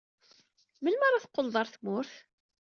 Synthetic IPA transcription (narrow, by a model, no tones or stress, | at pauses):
məlmaɾˤaθqːʊld̪ˤɑɾˤθmʊɾθ